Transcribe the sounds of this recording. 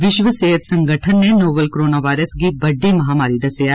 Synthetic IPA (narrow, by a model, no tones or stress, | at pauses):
ʋɪʃʋəseːɦət̪sɐ̃ŋɡʱəʈʰənːenoːʋəlkɾoːnaʋaːɪɾəsɡibɐɖemɐɦaːmaːɾid̪ɐsja